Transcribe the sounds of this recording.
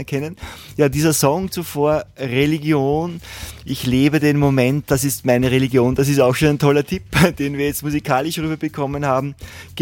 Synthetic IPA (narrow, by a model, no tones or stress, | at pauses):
ɐkʰɛnənjaːdiːzɐzɔŋt͡sufoːɐʁeliɡjoːnʔɪçleːbədenmomɛntd̥asɪstmaɪnəʁeliɡjoːnd̥as̬ɪstaʊxʃoːnæɛntʰɔlɐtʰipd̥eːnviːɐjɛt͡stmuzikʰaːlɪʃʁyːbɐb̥əkʰɔmənhaːbm̩ɡ̥